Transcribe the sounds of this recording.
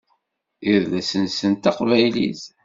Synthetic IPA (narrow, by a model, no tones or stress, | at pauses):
ɪɾðæsənsənt̪ɑqvæjlḭz